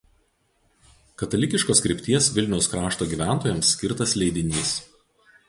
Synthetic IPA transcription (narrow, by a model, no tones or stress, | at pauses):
kɐt̪ɐlʲɪkʲɪʃkoːskɾʲɪpʲt̪ʲiɛsʋʲɪlʲnʲɛʊskɾɑːʃt̪oːɡʲiːˑʋʲæˑnt̪oːjɛmsʲːkʲɪɾt̪ɐslʲɛɪd̪ʲɪnʲiːs